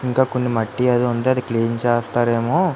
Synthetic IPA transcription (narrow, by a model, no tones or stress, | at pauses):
iŋkaːko̞nːimɐʈːiɐd̪iund̪eɐd̪ikliːnt͡ʃeːst̪aːɾeːmoː